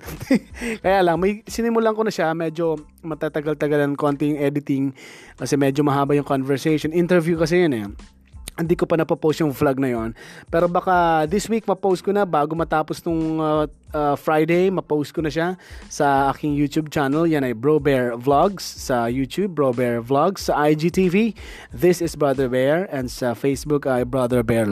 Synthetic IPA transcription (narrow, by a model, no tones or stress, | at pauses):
kɐjaːlɐŋmɐjsɪnɪmʊlaŋkonɐʃamɛːd͡ʒo̞ | mɐt̪aːt̪ɐɡalt̪ɐɡalɐŋko̞nt̪ɛjʊŋɛːd̪ɪt̪ɪŋkɐsɛmɛd͡ʒomɐɦaːbɐjʊŋkonvɛɹsɛjʃonʔɪnt̪ɛɹvjukɐs̬ɛjonɛ | hɪnd̪iːkopɐnɐpɐpowst̪jʊŋflaɡ̚nɐjonpɛːɾobɐkad̪ɪswik̚mɐpowst̪̚konɐbaːɡomɐt̪aːposnʊŋ | ɐfɹajd̪ejmɐpowst̪̚konɐʃasɐaːkɪŋjuːt̪ub̚t͡ʃanɐljanɐjbɹowbɛɹvlaɡsːɐjuːt̪jub̚ːɹowbɛɹvlaɡsːɐʔajd͡ʒit̪ivi | ðɪsɪsbɹaðɛɹbɛɹɛ̃nd̪sɐfejsbʊkɐjbɹad̪ɛɹbɛɹ